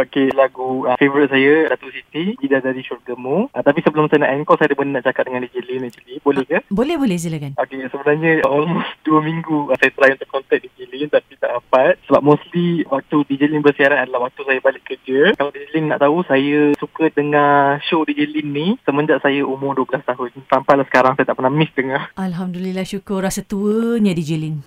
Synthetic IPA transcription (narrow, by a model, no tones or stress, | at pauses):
okelaɡuəfevəɾit̪̚sajədat̪usit̪ibidadaɾiʃurɡəmut̪apisəbəlʊmsajəna̰ʔɛŋkɔsajədəbənnaʔt͡ʃakat̪̚dəŋãndid͡ʒit̪linɛk̚t͡ʃulibolɛhɡəbolɛhbolɛs̬ilakanokesəbənarɲə̃əʔɔlmost̪duəmĩŋɡusajət̪əlajiunt̪uʊʔkɔnt̪ɛk̚did͡ʒilint̪apit̪aʔapat̪̚səbap̚mosliwak̚t̪udid͡ʒəlɪnbərsiaɾanadalahwak̚t̪usajəbalɪʔkːərd͡ʒəkaladid͡ʒilinnaʔt̪ausajəsukədəŋaʃodid͡ʒilinːisəmənd͡ʒaʔ̚sajəʔumʊrduəbəlast̪aɦʊnsampajlahsə̥kaɾaŋsajət̪aʔmənamɪsdəŋahʔalɦamdulilahʃukʊrasət̪uəɲãdid͡ʒilin